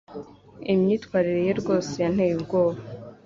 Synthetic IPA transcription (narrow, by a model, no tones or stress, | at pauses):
imɲiːtkwaːɾiɾeje̞ɾɡo̞ːsejan̥heːibɡoːβa